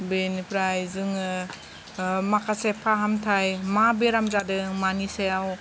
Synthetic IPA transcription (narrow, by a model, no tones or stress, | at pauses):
benipʰɾajzɯŋ | makʰasepʰaɦamtʰajmabeɾamzadɯmaniseaw